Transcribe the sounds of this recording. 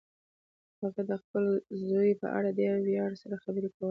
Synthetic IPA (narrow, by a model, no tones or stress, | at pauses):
haɣad̪əxpəlzojpə̰ʔa̰ɽad̪əjawwjɑɽsaɾaxabəɾekawə